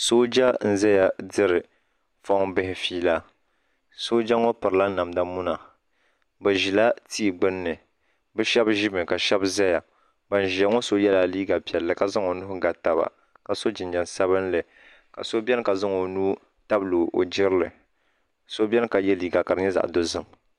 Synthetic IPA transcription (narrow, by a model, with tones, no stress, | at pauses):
so˦d͡ʒa˦n̩˦zɛ˦ja˨dɨ˦ɾɨ˨ | fɔ˦bɪ˦hɪ˨fiː˦la˦ | so˦d͡ʒa˦ŋo˦pɨ˨ɾɨ˨la˦na˨mda˦mu˦na˨ | bɨ˨ʒi˨la˦ti˦˨ɡ͡bɨ˦nːɨ˨ | bɨ˦ʃɛ˦bʒi˦mɨ˨ka˨ʃɛ˦bza˦ja˨ | ba˨n˨ʒi˨a˨˦ŋo˦so˦jɛ˦laː˨liː˦ɡa˨pi˨ɛ˨lːɨ˨ka˨zɨ˦ŋo˨nʊ˦hʊ˦ɡa˨ta˨ba̰˨ | ka˨so˦d͡ʒɪ˨nd͡ʒɛ˨nsa˦βɨ˦nlɨ˨ | ka̰˨so˦bʲɛ˦n˦ka˨zɨ˦ŋo˨nuː˦ | ta˦bluː˨o̰˨d͡ʒɪ˦ɾlɨ˨ | so˦bʲɛ˦n˦ka˨jɛ˦liː˦ɡa˨ka˨ɾɨ˦ɲɛ˦za̰˨ʔdo˦zɨ˦m